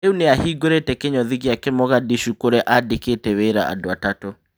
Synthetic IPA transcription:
euneahiːɡoɾetɛkeɲɔðiɣiakemɔɣadiʃukoɾɛʔadeketɛweɾa̰ʔa̰doatato

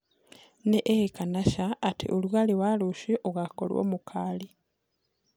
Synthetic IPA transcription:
neʔekanaʃaːtʰḭʔolwaliwaluʃiʔowako̰lwo̰ːmukʰaːli

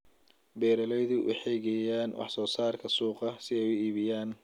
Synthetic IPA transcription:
bɛːɾɐlɛjðʊʔʊ̰ħɛɣɛjaːnwʔɑ̰ħsɔːsaːrkʰɐsuːqɐsɪɛjʊiːβɪjaːn

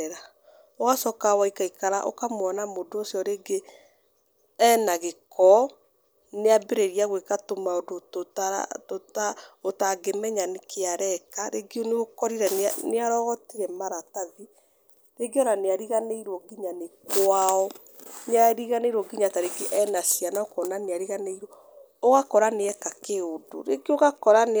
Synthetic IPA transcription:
ɾa | ɔasɔkawaikaikaɾaʔo̰kamwɔnamodosiɔɾeɡe | ɛnaɣekɔ | neabeɾeɾiaɣwekatomaondotota̰totaotaɡemɛɲanekʰeaɾɛkaɾeɡioneɣokɔɾiɾɛnneaɾɔɣɔtiɾɛmaɾataði | ɾeɡeɔnaneaɾiɣaneiɾwɔɡiɲanekwaɔ | neaɾiɣaneiɾwɔɡiɲataɾeɡeʔɛnasianaɔkɔnaneaɾiɣaneiɾɔ | oɣakɔɾaneɛkakeodo̰ɾeɡioɣakɔɾan

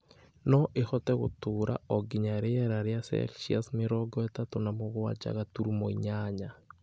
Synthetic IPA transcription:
nɔʔehɔtɛɣo̰tuɾa̰ɔɡiɲaɾeɛɾaɾjasɛ̰lʃiasmeɾɔɡɔɛtatonamoɣoa̰d͡ʒa̰ɣatuɾumoiɲaɲa

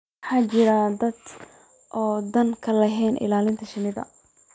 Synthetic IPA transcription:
ħaːt͡ʃɪɾɐd̪ɐd̪ | ʔɔːd̪ɐnkʰɐlɐɦɛːnʔɪ̰laːlɪnt̪ʰɐʃɪnɪðɐ̰

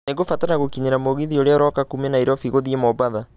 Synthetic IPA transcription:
neɣɡofatanaɣokiɲeɾamoɣiðioɾeaoɾɔkakumenaiɾɔfiɣoðiemɔbaða

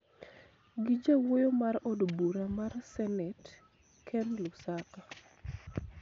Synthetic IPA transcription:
ɡid͡ʒawojomaɾodbuɾamarsɛnɛt | kʰɛnlusaka

